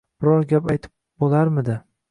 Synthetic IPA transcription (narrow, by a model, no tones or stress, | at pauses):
b̥ɪɾɒɾɡʲapajt̪ʰɪ̥p | bolaɾmɪd̪ɪ